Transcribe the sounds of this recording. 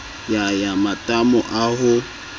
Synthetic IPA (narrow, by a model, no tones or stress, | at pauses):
jajamatʼamʊʔaɦʊ